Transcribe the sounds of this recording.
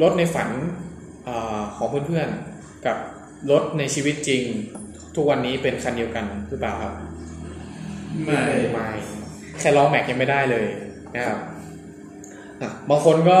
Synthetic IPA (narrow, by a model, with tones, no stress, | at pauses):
lo˦˥t̪̚na˧jfa˩˦n | ʔaː˨˩kʰɔː˩˦ŋpʰɯ˥˩˨npʰɯ˥˩ən | ka˨˩p̚ | lo˦˥t̪̚na˧jt͡ɕʰiː˧wi˦˥t̪̚t͡ɕi˧ŋ | t̪ʰu˦˥k̚wa˧nːiː˦˥pe˧nkʰa˧ndi˧əwka˧nɾʰɯː˦˥˩paː˨˩wkʰa˦˥p̚ | ma˥˩ma˥˩j | kʰɛː˧˩lɔː˦˥ŋmɛ˨˩k̚ja˧ŋma˥˩jdaː˥˩jlɤː˧j | na˦˥kʰa˦˥p̚ | ʔa˧˩baː˧ŋkʰo˧nkɔː˥˩